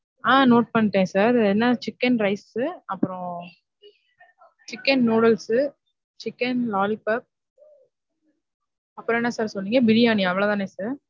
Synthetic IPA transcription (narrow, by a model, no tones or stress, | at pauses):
ãːnoːʈ̚pɐɳːʈːẽːsaːɾɛnːaːt͡ʃɪkːɐnɾɐɪsɯɐpːɯɾɔ̃ | t͡ʃɪkːɐnnoːɽɐlsɯ | t͡ʃɪkːɐnlaːlipɐp̚ | ɐpːɯɾɔ̃ɛnːɐsaːɾsɔlːiːŋɡɐbɪɽiaːniaɐʋɐɭɐt̪ãːneːsaːɾ